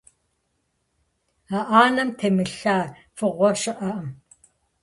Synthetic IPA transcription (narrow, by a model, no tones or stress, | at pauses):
aʔaːnɐmtʰemɨɬaː | fɨʁʷɔʃɨʔɐʔɐm